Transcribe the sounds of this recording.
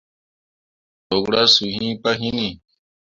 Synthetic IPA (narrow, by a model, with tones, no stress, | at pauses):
o˨ɡɽa˦su˨ɦĩ˦pa˦ɦi˦ni˨